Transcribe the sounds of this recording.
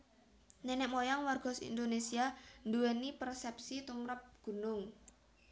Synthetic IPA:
nɛnɛʔmojaŋwarɡ̥ɔ̤sḭnd̪onesiand̪uwenipərsɛp̚sit̪umɾəp̚ɡ̥ṳnʊŋ

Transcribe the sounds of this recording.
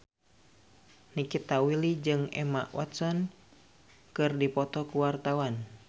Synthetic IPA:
nikit̪awilid͡ʒɨŋɛ̰maʔwʔɔ̰t̪sɔn | kɨrdipɔt̪ɔkuwart̪awan

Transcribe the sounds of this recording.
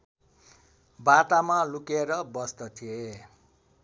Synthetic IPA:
bat̪amalukeɾʌbʌst̪ʌt̪ʰije

